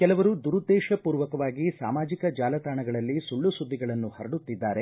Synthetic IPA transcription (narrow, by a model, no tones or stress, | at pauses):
kɛlɐʋɐɾud̪uɾud̪ːɛːʃɐpuːɾʋɐkɐʋaːɡisa̰ːmaːd͡ʒikɐd͡ʒaːlɐt̪aːɳɐɡɐɭɐlːisuɭːusud̪ʱːiɡɐɭɐnːuhɐɾɐɽut̪ːid̪ːaːɾe